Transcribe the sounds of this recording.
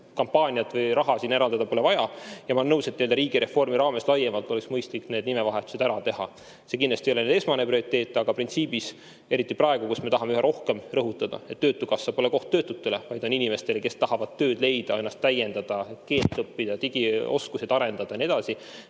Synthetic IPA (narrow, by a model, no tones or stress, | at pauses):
kɑmpːɑːnʲiɑt̪ˑvɯjɾɑɦɑsiːneɾɑld̪ɑd̪ɑpo̞le̞vɑjɑjɑmɑnːɤwset̪nield̪ɑɾiːɡ̥iɾe̞fo̞rmiɾɑːme̞slɑjemɑlt̪oeksmɤjst̪likːne̞ːd̪nimevɑɦe̞t̪ːˑu̥se̞d̪æɾɑt̪e̞hɑ | se̞kinlɑst̪iejo̞lened̪e̞smɑne̞prio̞ɾit̪ːe̞ːt̪ːˑeɑɡ̥ɑprint̪siːb̥is | e̞ɾit̪ːˑiprɑe̞ɡ̥ukusme̞t̪ɑɦɑmeyɦeɾʔo̞hke̞mrɤɦut̪ːˑɑd̪ɑ̰e̞t̪ːøːt̪ːˑukɑsːɑpo̞le̞ko̞ht̪ːøːt̪ːˑut̪ːe̞le̞vɑjd̪̥o̞ninʲime̞st̪e̞leke̞st̪ɑɦɑvɑd̪̥t̪ːø̞ːd̪̥le̞jd̪̥ɑe̞nːɑst̪ːæjend̪ɑd̪̥ɑke̞ːlt̪ːˑɤpːid̪̥ɑt̪iɡ̥ioskused̪̥ɑɾe̞nd̪̥ɑd̪̥ɑnie̞d̪ɑsi